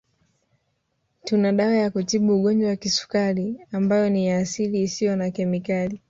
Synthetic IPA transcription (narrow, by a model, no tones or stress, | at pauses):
tunaɗawajakutiɓuːɠɔɲd͡ʒwawakisu̥kaliambajɔnijaːsiliːsijɔnakɛmikali